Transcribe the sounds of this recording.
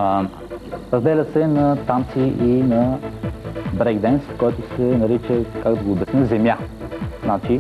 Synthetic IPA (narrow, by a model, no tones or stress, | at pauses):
ɾəzd̪ɛlʲəsɛnɐt̪ant̪siʔinɐ | bɾɛɡd̪ɛnskɔjt̪ʊsɛnɐɾit͡ʃəkaɡd̪ɐɡoːbɛsnəzɛmʲjaznat͡ʃi